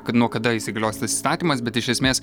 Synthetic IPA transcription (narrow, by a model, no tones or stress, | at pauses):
kɐt̪nuɔkɐd̪ɐisʲɪɡɐlʲoʊsʲt̪ɐsɪi̥ːst̪ɑːt̪ʲiːmɐsbʲɛt̪ɪʃʲɛsʲmʲeːs